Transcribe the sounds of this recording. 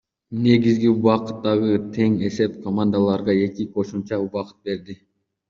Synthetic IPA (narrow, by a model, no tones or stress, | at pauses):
ne̞ɡizɡiuβɑqɯt̪ːɑʁɯt̪ʰe̞ŋe̞se̞p̚kʰomand̪alˠɑɾʁɑe̞kʲiqʰo̞ʃumt͡ʃɑuβɑqɯ̥t̪̚be̞ɾd̪ɪ